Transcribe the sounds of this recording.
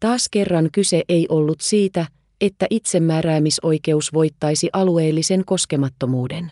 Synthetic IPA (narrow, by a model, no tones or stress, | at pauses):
t̪ɑːske̞rːɑŋkyse̞ʔe̞jʔo̞lːut̪siːt̪æ | e̞t̪ːæʔit̪se̞mːæːɾæːmiso̞jke̞usʋo̞jt̪ːɑjsiʔɑlue̞ːlːise̞ŋko̞ske̞mɑt̪ːo̞muːde̞n